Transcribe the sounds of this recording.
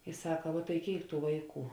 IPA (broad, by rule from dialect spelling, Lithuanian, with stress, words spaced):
ɪ ˈsɑːkɐ ʋuɔ tɐɪ ˈkʲeːɪk ˈtuː ˈʋɐɪˌkuː